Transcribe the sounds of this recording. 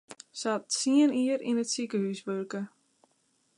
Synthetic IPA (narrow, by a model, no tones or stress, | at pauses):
satsiəniəɾinətsikəhysʋørkə